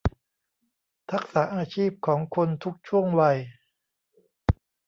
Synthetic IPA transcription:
t̪ʰa˦˥k̚saː˩˦ʔaː˧t͡ɕʰiː˥˩p̚kʰɔː˩˦ŋkʰo˧nt̪ʰu˦˥k̚t͡ɕʰu˥˩əŋwa˧j

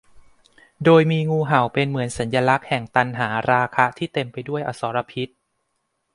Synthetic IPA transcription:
doː˧jmiː˧ŋuː˧ɦa˨˩wpe˧nmɯ˩˦ənsa˩˦njaː˧la˦˥k̚hɛ˨˩ŋt̪a˧nɦaː˩˦ɾaː˧kʰa˦˥t̪ʰiː˥˩t̪e˧mpa˧jdu˥˩əjʔa˧sɔː˩˦ɾa˧pʰi˦˥t̪̚

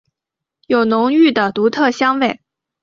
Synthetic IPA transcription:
jo˨˩ʊnʊ˧˥ŋy˥˩d̪ə˩t̪u˧˥t̪ʰɤ˥˩ɕjɑ˥ŋwe˥˩ɪ

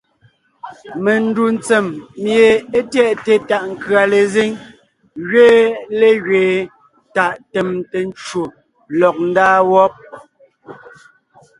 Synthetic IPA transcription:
me˨n̩˦du˨n̩˨t͡se˨mːje˨e˦tjɛ˦˨ʔte˨ta˦˨ʔŋ̩˨kɰa˨le˨zi˦ŋ | ɣɥeː˦le˦ɣɥeː˨ | ta˨ʔte˨mte˨n˦t͡ʃwo˨ | lɔ˨k̚n̩˦daː˦wɔ˦p̚

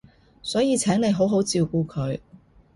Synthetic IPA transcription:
sɔː˨˥jiː˨˧t͡sʰɛː˨˥ŋne˨˧jɦo˨˥wɦo˨˥wt͡siː˨˧wkuː˧kʰɵ˨˧ɥ

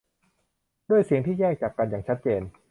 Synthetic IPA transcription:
du˥˩əjsi˩˦əŋt̪ʰiː˥˩jɛː˥˩k̚t͡ɕaː˨˩kːa˧njaː˨˩ŋt͡ɕʰt̪̚t͡ɕeː˧n

